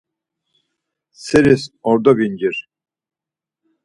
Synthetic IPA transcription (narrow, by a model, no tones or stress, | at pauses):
sɛɾisɔɾd̪ɔbind͡ʒiɾ